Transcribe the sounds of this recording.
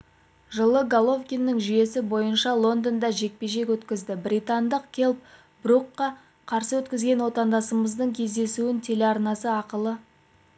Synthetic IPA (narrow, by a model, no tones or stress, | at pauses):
ʒəlˠəɡalˠo̞vkʲinːəŋʒʏje̞sɪbo̞jənʃɑlˠo̞nd̪ond̪ɑʒe̞k̚pe̞ʃe̞kwɵt̪kʲɪzd̪ɪbrʲit̪ɑnd̪əqkʲʰe̞lˠp̚ | bruqːɑ | qʰɑɾsəwɵt̪kʲɪzɡʲe̞nwo̞t̪ɑnd̪ɑsəməzd̪əɴkʲʰe̞zd̪e̞suɪnt̪ʰe̞leɑɾnɑsəɑqəlˠə